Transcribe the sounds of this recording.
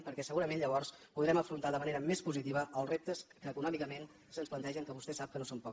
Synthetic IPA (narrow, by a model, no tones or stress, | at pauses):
pəɾkɛsəɣuɾəmenʎəβ̞ɔɾspuðɾɛməfɾunt̪aðəməneɾəmespuzit̪iβəəlˠzrep̚t̪əskəːkunɔmikəmen | sənsplə̃nt̪ɛʒəŋkəβust̪ɛsap̚kənosompɔk